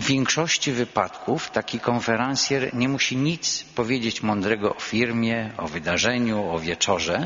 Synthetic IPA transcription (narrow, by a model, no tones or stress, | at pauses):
vʲjɛŋkʂɔɕt͡ɕivɘpat̪kʰuft̪akʲikɔnfɛɾansʲjɛɾɲɛmuɕiɲit̪spɔvʲjed͡ʑet͡ɕmɔnd̪ɾɛɡɔʔɔfʲiɾmʲjɛɔ̰vɘd̪aʐɛɲuɔvʲjɛt͡ʂɔʐɛ